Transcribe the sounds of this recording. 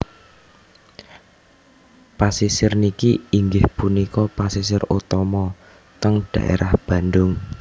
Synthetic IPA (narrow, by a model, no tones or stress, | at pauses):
pasisɪrnikiiŋɡɪhpunikɔpasisɪrot̪ɔmɔ | t̪əŋɖ̥ä̤̰ʔḛɾʔahb̥ä̤ndʊŋ